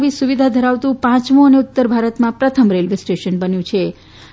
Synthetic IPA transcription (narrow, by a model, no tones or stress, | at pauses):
ʋisuʋid̪ʱad̪ʱəɾaʋt̪ũpãt͡ʃmũəneʊt̪ːəɾbʱaɾət̪mãpɾət̪ʰəmɾelʋesʈeʃənbənjũt͡ʃʰe